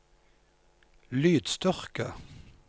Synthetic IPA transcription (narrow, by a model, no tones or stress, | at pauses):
lyːd̪st̪œʁkə